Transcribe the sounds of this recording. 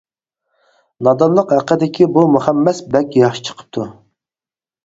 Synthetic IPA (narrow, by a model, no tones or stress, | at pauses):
nɑd̪ɑnlˠəqhæqːəd̪ɪkʲʰibumuχɛmːɛsbɛkʲjɑχʃi̥t͡ʃʰə̥qʰə̥p̚t̪ʰu